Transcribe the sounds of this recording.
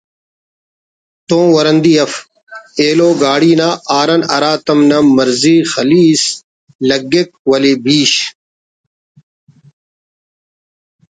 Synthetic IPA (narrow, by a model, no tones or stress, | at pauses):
t̪õːwɐɾɐnd̪iɐf | eːloːɡaːɽiːnaːʔaːɾɐnɐɾaːt̪ɐmnɐmɐɾziːxɐliːs | lɐɡːek̚wɐlebiːɕ